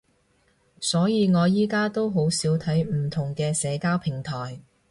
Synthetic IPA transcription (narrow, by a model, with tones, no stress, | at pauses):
sɔː˨˥jiː˨˧ŋɔː˨˧jiː˥kaː˥t̪o˥wɦo˨˥wsiː˨˥wt̪ʰɐ˨˥jm̩˨˩t̪ʰʊ˨˩ŋkɛː˧sɛː˨˧kaː˥wpʰɪ˨˩ŋt̪ʰɔː˨˩j